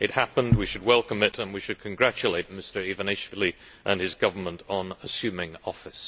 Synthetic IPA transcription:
ʔɨt̚hæpə̃nd̚wiʃɨd̚wɛlˠkə̃mɪtə̃nwiʃɨd̚kʰɨ̃nɡɹæt͡ʃɨleɪt̚mɪstə˞ivə̃neʃfɪlˠi | ʔə̃nɨzɡʌvə˞mə̃ntn̩əsjʉ̃mɪ̃ŋɔfɪs

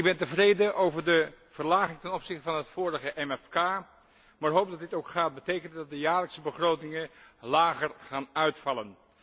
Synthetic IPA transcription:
ɪbɛntəvrejdəʔowvəɹdəv̥əɹlaːχɪŋtɛnɔpsɪχtəvɑnɦətfoːɾəχəʔɛmɛfkaː | maːɹɦowp̚dɑtdɪtowkχaːt̚bətejkəndədɑt̚dəjaːɹləksəbəχrowtɪŋənlaːχərχaːnœɥtfɑlən

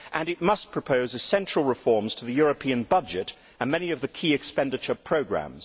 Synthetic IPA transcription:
ʔɨ̃nɨt̚mʌspʰɹ̥əpʰoʊzɨsɛ̃nt͡ʃɹ̥əl̩ˠɹɨfɔɹmz̥tʰəðɨjɔɹɨpʰĩɨ̃nbʌd͡ʒɪɾ | ə̃nmɛniʌvðɨkʰiɨkspɛ̃ndɨt͡ʃə˞pʰɹ̥oʊɡɹæ̰̃mz̥

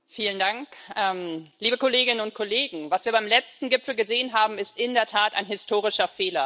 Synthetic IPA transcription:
fiːləndaŋkʔɛːmliːbəkoleːɡɪnənʊnt̚kʰoleːɡŋ̩vasviːɐbaɪmlɛt͡stn̩ɡɪpfl̩ɡəzeːənɦaːbm̩ɪstɪndeːɐtʰaːta̰ɪnɦɪstʰoːʁ̞ɪʃɐfeːlɐ

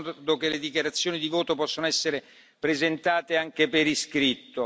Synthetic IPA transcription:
d̪okeled̪ikjaɾat̪sːjoːnid̪ivoːt̪opɔsːonoɛsːeɾe | pɾezent̪aːt̪eaŋk̟epeɾiskɾit̪ːo

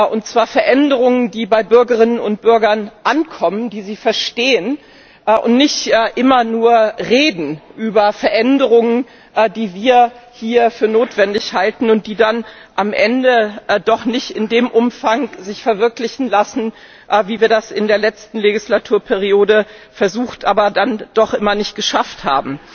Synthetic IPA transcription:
ʔʊnt̚t͡sv̥aːɐfɛɐʔɛndəʁʊŋəndiːbaɪbʏɐɡəʁ̞ɪnənʊnt̚b̥ʏɐɡɐnʔankʰɔməndiːziːfɛɐʃteːən | ʔʔʊ̰ntnɪçtʔːʔɪmɐnuːɐʁeːdn̩ʔyːbɐfɛɐʔɛndəʁʊŋən | diːviːɐhiːɐfyːɐnoːtv̥ɛndɪçhaltn̩ʊnt̚d̥iːdanʔamʔɛ̰ndəd̥ɔχnɪçtɪndeːmʔʊmfaŋzɪçfɛɐvɪɐklɪçn̩lasn̩ | ʔviːviːɐdasɪndeːɐlɛt͡stn̩leɡislatʰuːɐpʰɛʁ̞ioːdə | fɛɐzuːxtʔaːbɐdand̥ɔχʔɪmɐnɪçt̚ɡ̥əʃaftha̰ːbm̩

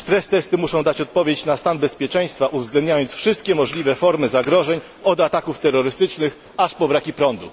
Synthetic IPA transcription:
st̪ɾɛst̪ɛst̪ɘmuʂɔ̃w̃d̪at͡ɕɔt̪̚pɔvʲjet͡ɕnast̪anbɛspʲjɛt͡ʂɛj̃st̪faʔuvzɡlɛnd̪ɲajɔnt̪sfʂɘst̪̚kʲɛmɔʐlʲivɛfɔɾmɘzaɡɾɔʐɛɲ | ɔd̪at̪akuft̪ɛɾːɔɾɘst̪ɘt͡ʂnɘx | aʂpɔbɾakʲipɾɔnd̪ṵ

